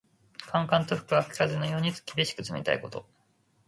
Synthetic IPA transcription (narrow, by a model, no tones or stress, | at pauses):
kʰãŋkãnt̪oɸɯ̟̥kɯ̟βakʲi̥kazɨnojo̞ːɲ̟it͡sɨ̥kʲibʲiɕi̥kɯ̟t͡sɨmḛt̪a̰ḭko̞t̪o̞̰